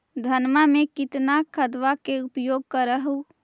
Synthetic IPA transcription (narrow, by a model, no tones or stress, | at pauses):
d̪ʱənmamekɪt̪nakʰəd̪ʋakeupjoɡ̚kəɾəɦu